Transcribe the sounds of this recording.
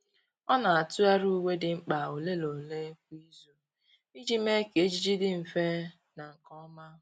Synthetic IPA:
ɔ˦na˨a˨tu˦a˦ɾu˦we˦dɪ˨ŋ͡m̩˦k͡pa˨o˨le˦lo˨le˦ki˦zo˦ | i˦d͡ʒi˦me˦ke˨e˦d͡ʒi˦d͡ʒi˦dɪ˦m̩˨fe˦ | na˨ŋ̩˨kɔ˦ma˦

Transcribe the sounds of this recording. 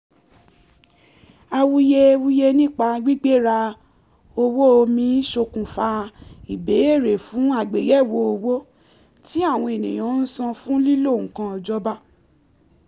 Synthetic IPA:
a˧wu˧je˧wu˧je˧nĩ˦˨k͡pa˧wi˦ɡ͡be˦ɾa˧ | o˧wo˦o˧mĩ˧˦ʃo˧kũ˨fa˧i˨be˨˦e˦˨ɾe˨fũ˨˦a˦˨ɡ͡be˨jɛ˦˨wo˧˦o˧wo˦ | ti˦a˦˨w̃ɔ̃˧e˨nḭ̃˨j̃ɔ̃˨˦n̩˦sã˧fũ˦li˦lo˦˨ũ˨kã˧ɔ˧d͡ʒɔ˦ba˦˨

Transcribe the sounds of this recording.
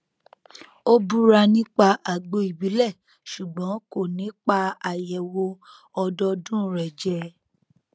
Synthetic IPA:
o˦bu˦ɾa˧nĩ˦k͡pa˧ʔa˨ɡ͡bo˧˦i˨bi˨˦lɛ˦˨ | ʃu˨ɡ͡bɔ̃˨˦ko˦˨nĩ˨˦k͡pa˧a˨jɛ˨wo˧ | ɔ˧dɔ˧dũ˦ɾɛ˨d͡ʒɛ˧˦

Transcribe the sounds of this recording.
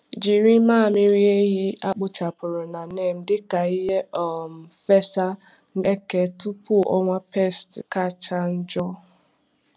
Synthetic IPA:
d͡ʒi˨ɾi˦maː˦˨mɪ˦ɾi˦e˦ɦi˦a˦k͡pʊ˦t͡ʃa˨pʊ˨ɾʊ˨na˨ne˦˨m̩˨dɪ˦ka˨i˦ɦe˦ʔɔ˨m̩˨fe˦sa˦ŋ̩˦e˦ke˨˦tu˦pu˦˨ʔɔ̰˦ŋʷa˦pe˦˨stka˦˨t͡ʃa˦n̩˦d͡ʒɔ˦

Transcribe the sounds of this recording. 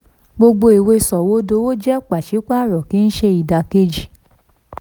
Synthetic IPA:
ɡ͡bo˧ɡ͡bo˧i˨we˧sɔ˨wo˨˦do˧˦wo˦d͡ʒɛ˦˨k͡pa˨ʃi˨˦k͡pa˦˨ɾɔ˨ki˨˦n̩˦ʃe˧i˨da˧ke˧d͡ʒi˨

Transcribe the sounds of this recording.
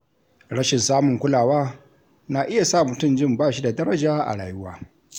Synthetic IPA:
ɽɐ˦ʃɪ˨nsaː˦mʊ˨ŋkʷʊ˦laː˨waː˦ | na˨ʔɪ˦ja˨saː˦˨mʊ˨tʊ˦md͡ʒɪ˦˨mbaː˦˨ʃi˦da˨dɐ˦ɾɐ˦d͡ʒaː˦ʔa̰˨ɽa̰ː˨jʊ˦wa̰ː˦

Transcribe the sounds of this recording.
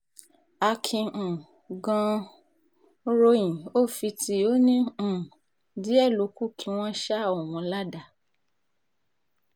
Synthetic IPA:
a˧kʰĩ˧˨ | ɡã˧ | ɾo˧jĩ˨o˦˨fi˧ti˧o˦nĩ˦˨ | di˨˦ɛ˦˨lo˧ku˦kʰi˨˧˦w̃ɔ̃˦ʃa˦ɔ˦˨wɔ̃˨˧la˦da˨

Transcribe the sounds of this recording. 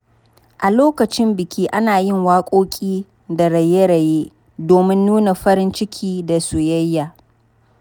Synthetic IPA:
ʔa˨loː˦kɐ˨t͡ʃɪ˦mbɪ˨kʲiː˦ʔa˦naː˨jɪ˦ŋwaː˦kʷʼoː˦kʲʼiː˦ | da˨ɽɐ˨je˦ɽɐ˨jeː˦ | doː˨mɪ˦nːuː˦na˨ɸɐ˦ɾɪ˦nt͡ʃɪ˦kʲʰiː˦da˨su˨jɐ˦jːaː˨

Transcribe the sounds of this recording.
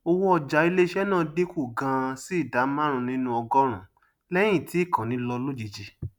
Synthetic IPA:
o˧wo˦ɔ˧d͡ʒa˨˦i˧le˦ʃɛ˦nãː˦˧de˦ku˦˨ɡã˧si˦˨da˨˦mã˦ɾ̃ũ˧nĩ˦nũ˧˦ɔ˧ɡɔ˦ɾ̃ũ˨ | lɛ˦j̃ĩ˦˨ti˨˦˨kʰã˨nĩ˨˦lɔ˧lo˦d͡ʒi˧d͡ʒi˧

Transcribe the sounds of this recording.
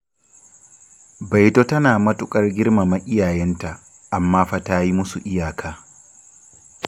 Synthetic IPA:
ba˨jto˦tɐ˦naː˨mɐ˦tʊ˨kʼɐ˦rɡʲɪ˦rma˨ma˦ʔʲɪ˦jaː˨jɛ˦nta˨ | ʔa˨mːaː˦ɸa˨taː˦ji˦mʊ˦su˨ʔɪ˦jaː˨kʰaː˦

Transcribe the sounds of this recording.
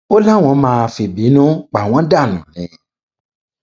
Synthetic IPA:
o˦la˦˨w̃ɔ̃˧˦mãː˦˧fi˨bi˨˦nũ˦k͡pa˨w̃ɔ̃˨˦da˦˨nũ˨nĩ˨

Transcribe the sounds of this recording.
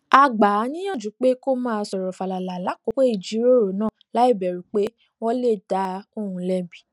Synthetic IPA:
a˨ɡ͡ba˨˦nĩ˦j̃ã˦˨d͡ʒu˨˦k͡pe˦ko˦mãː˦˧˦sɔ˨ɾɔ˨fa˨la˨la˨la˨˦ko˨˦ke˦i˦˨d͡ʒi˨˦ɾo˦˨ɾo˨˦nãː˦˨la˨˦i˦˨bɛ˨ɾu˨k͡pe˦ | wɔ˦le˦˨da˨˦o˦˨hũ˧lɛ˧bi˨

